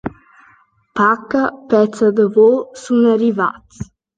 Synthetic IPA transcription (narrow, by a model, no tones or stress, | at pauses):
pakəpɛt͡səd̪əvosunariva̰t͡s